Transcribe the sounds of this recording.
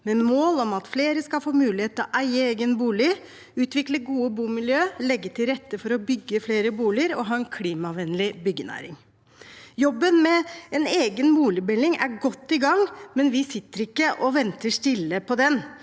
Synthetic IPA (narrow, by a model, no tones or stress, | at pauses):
mɛmoːlɔmɑt̪fleːɾəskɑlfoːmʉːlɪheːt̪ːəɔʔæɪəeːɡənbuːlɪ | ʉːt̪ʋɪkləɡuːəbuːmɪljøːlɛɡːət̪ʰɪlɾɛt̪ːəfɔɾɔbʏɡːəfleːɾəbuːlɪəɾɔɦɑːɛnkʰliːmɑʋɛnlɪbʏɡːənæ̰ːɾɪŋ | jɔbːənmɛɛneːɡənbuːlɪbɛlɪŋæ̰ɾɡɔt̪ːɪɡɑŋmɛnʋɪsɪt̪ːəɾɪkːəʔɔʋɛnt̪əʂt̪ɪlːəpʰɔd̪ɛn